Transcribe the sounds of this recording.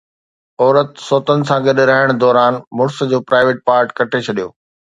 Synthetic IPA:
ɔːɾət̪sɔːt̪ənɪ̆sãɡɐɗɪɾaːɦɪɽ̃d̪ɔːɾaːnmʊɽs̆d͡ʑoːpɾaːɪʋeːʈ̚paːɾʈkɐʈʰet͡ɕʰɐɗijo̰ː

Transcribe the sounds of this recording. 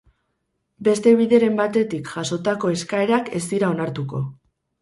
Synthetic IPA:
be̞st̪e̞β̞iðe̞ɾe̞mbat̪e̞t̪ikʝaso̞t̪ako̞e̞skaeɾake̞siɾao̞naɾt̪uko̞̰

